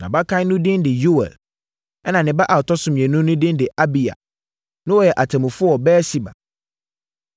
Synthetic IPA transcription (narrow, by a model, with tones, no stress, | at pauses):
nã̰˨ba˦kʰã˦nʊ̃˦dɪ̃˦ndɪ˨ju˦wɛ̰˨l | ɛ˦nã˨nɪ̃˨ba˦ʔa˨tʰɔ˦sʊ̃˨m˨ɛ̃˨nũ˦nʊ̃˦dɪ̃˦ndɪ˨ʔa˦bi˨a̰˨ | nʊ̃˦wɔ˨jɛ˨ʔa˨tʰɛ̃˨mʊ̃˨fʊ˦ɔ˨bɛː˦si˨ba̰˨